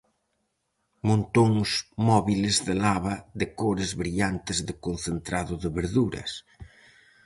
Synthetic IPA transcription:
mõnt̪oŋsmɔβilɪzðɪlaβɐðɪkoɾɪzβɾiʎant̪ɪzðɪkon̟θent̪ɾaðʊðɪβeɾðuɾɐ̰s

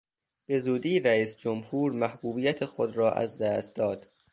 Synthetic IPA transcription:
b̥e̞zuːd̪iːɾæiːsd͡ʒomhuːɾmæhb̥uːbijæt̪ʰexod̪ɾɒːʔæ̰zd̪æːst̪̚d̪ɒːd̪̥

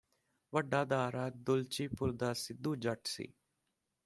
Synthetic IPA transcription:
ʋəɖaːd̪aːɾaːd̪ʊlt͡ʃiːpʊɾd̪aːsɪd̪uːd͡ʒəʈsḭː

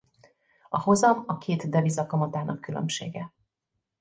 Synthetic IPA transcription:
ɒho̞zɒmɒkʰeːt̪d̪ɛvisɒkɒmɒt̪aːnʔɒkːylø̞̰mʃḛːɡɛ

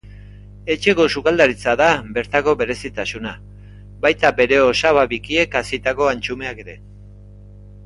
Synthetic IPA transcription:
e̞t͡ʃe̞ko̞sukald̪aɾit͡saðabe̞ɾt̪ako̞βe̞ɾe̞sit̪asuna | bajt̪abe̞ɾe̞o̞saβaβikie̞kasit̪ako̞ant͡ʃume̞ake̞ɾe̞

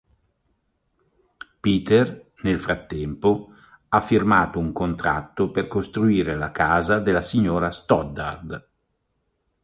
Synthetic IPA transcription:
piːt̪er | nelfɾat̪ːɛmpo | afːirmaːt̪ouŋkont̪ɾa̰t̪ːoperkost̪ɾuiːɾelakaːzad̪elːasiɲːoːɾast̪ɔd̪a̰rd̪

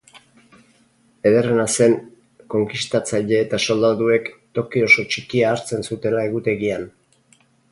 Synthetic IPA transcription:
e̞ðe̞re̞nase̞n | ko̞ŋkist̪at͡saʎe̞ːt̪aso̞ld̪aðue̞kt̪o̞kio̞so̞t͡ʃikiaːɾt͡se̞nsut̪e̞lae̞ɣ̞ut̪e̞ɣian

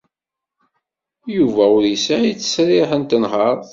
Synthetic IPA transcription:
juvæʊɾjəsaʕit͡sːə̥sɾɪħənt̪ənɦəɾˤ

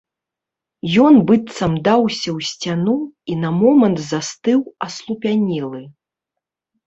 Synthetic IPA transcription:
jɔnbɨt̪sɐmd̪awsʲɐwsʲt͡sʲanuinɐmɔmɐnt̪zast̪ɨwɐslˠupʲanʲɛlˠɨ

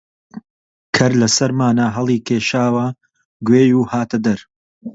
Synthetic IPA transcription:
kʰɐɾlɐsɐɾmaːnaɦɐlˠiːkʰeːʃaːwɐ | ɡweːjuːhaːt̪ʰɐd̪ɐɾ

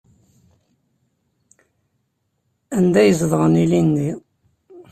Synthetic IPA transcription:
ænd̪æjəzðʁənilinːi

